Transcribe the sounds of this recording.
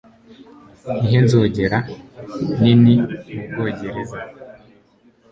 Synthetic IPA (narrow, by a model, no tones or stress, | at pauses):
iɦenzoːɟe̞ɾa | niniub̚ɡoːɟeɾeza